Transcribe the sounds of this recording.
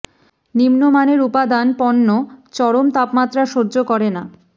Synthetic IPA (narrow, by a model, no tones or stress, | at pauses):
nimnomaneɾupad̪anpɔnːot͡ɕɔɽomt̪apmat̪ːɾaʃoɾd͡ʑokɔɾena